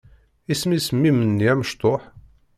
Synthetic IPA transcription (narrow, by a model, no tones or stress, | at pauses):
ismismːimənːiæməʃt̪ˤoħ